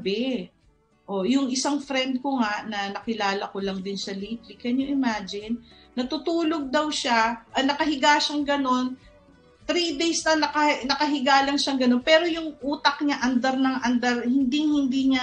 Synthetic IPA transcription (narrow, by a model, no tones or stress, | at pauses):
bɛ | ʔo̞jʊŋʔɪsaŋfɾɛnd̪̚koŋaʔnɐnɐkɪlaːlɐkolɐŋd̪ɪnsɐlit̪lɪkɐɲoʔɪmaːd͡ʒɪnː | ɐt̪ʊt̪uːlo̞ɡ̚d̪ɐwʃaʔɐnɐkɐɦɪɡaːʃaŋɡɐno̞n | t̪ɾid̪ejsnɐnɐkɐnɐkɐɦɪɡaːlɐŋʃaŋɡɐno̞npɛːɾo̞jʊŋʔuːt̪ɐk̚ɲaʔɐnd̪ɐɾnɐŋʔɐnd̪ɐɾhɪnd̪iŋhɪnd̪iɲa